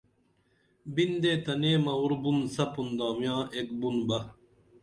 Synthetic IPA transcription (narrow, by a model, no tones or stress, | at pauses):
bind̪eːt̪ɐneːmɐuɾbunsɐpund̪aːmjãːek̚bunbɐ